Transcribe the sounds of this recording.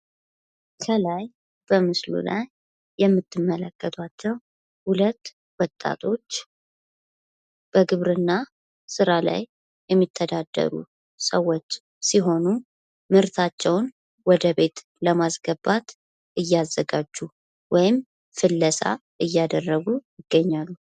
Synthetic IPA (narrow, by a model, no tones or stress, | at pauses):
kʰəlaj | b̥əmɨslṵlajː | ɛmːɨt̪ʰːɨmːələkːət̪ʰat͡ʃːɛw | hulət̪ː | wɔt̪ʼːa̰t̪ʰo̞t͡ʃː | b̥əɡɨβɾɨnːa | sɨɾala̰j | jɛmːit̪ʰːəd̪ad̪̥ːə̰ɾṵ | səwɔt͡ʃː | siɦo̞nu | mɨɾt̪ʰat͡ʃːɛwn | wɔd̪əβe̞t̪ | ləmasɡəbat̪ | ʔɨjːazːəɡad͡ʒːu | wɔjɪm | fɨlːəsa̰ʔɨjːad̪ərːəɡujɪɡ̥ːəɲːalːu